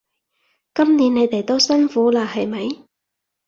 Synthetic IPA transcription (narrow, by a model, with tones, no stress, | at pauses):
kɐ˥mniː˨˥ne˨˧jt̪e˨jt̪o˥wsɐ˥nfuː˨˥laː˧hɐ˨jmɐ˨˧j